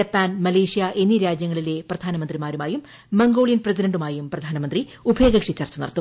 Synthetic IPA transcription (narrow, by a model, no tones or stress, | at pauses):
d͡ʑɐpːaːnmɐleːʂijaʔe̞nːiɾaːd͡ʑjɐŋːɐɭile̞prɐd̪ʱaːnɐmɐnd̪rimaːɾumaːjumː | ɐŋɡo̞ːɭijɐnprɐs̬idɐɳɖumaːjumprɐd̪ʱaːnɐmɐnd̪riubʱeːɡɐkʂit͡ɕːaːrt͡ɕːɐnḭrɐt̪ːu